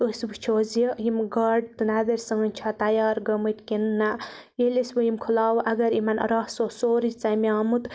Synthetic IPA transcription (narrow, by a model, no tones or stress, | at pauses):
osbɨt͡ʃʰoːzejimɡɐɖ̚t̪ɨnad̪ɐɾʲsɐŋɐnʲt͡ʃʰat̪ɐjaːɾɡɐmɨt̪ʲkʲinːa | jelisbɨjimkʰulaːwʔɐɡɐɾimɐn̰ɾɐhsosoːɾit͡sɐmiaːmut̪